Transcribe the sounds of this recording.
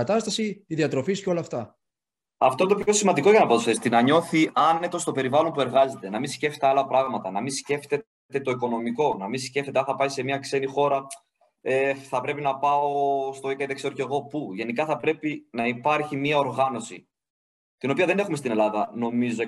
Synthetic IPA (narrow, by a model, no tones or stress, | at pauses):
ɐt̪ɐst̪ɐsiːðiɐt̪ɾo̞fisco̞lɐːft̪ɐ | ɐft̪o̞nt̪opço̞simɐnd̪iko̞ʝɐnɐbɐt̪osfθest̪inɐɲo̞θiɐne̞t̪o̞st̪o̞pe̞ɾivɐlo̞mpue̞ɾɣɐze̞t̪e̞nɐminsceft̪t̪eɐlɐpɾɐɣmɐt̪ɐnɐmisce̞ft̪e̞ | t̪e̞t̪o̞iko̞no̞miko̞nɐmisceft̪et̪eɐnθɐpɐise̞miɐkse̞nixo̞ɾɐ | efθɐpɾe̞pinɐpɐo̞st̪o̞ikɐit̪ekse̞ɾo̞ce̞ɣo̞puʝe̞nikɐθɐpɾe̞pinɐipɐɾçimiɐo̞ɾɣɐno̞sḭ | t̪ino̞piɐðe̞ne̞xumest̪ine̞lɐðɐno̞mizo